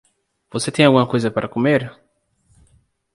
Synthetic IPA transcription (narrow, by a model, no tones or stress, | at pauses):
v̥oset̪ẽj̃alɡũmɐkojzɐpaɾʔɐkumeɾ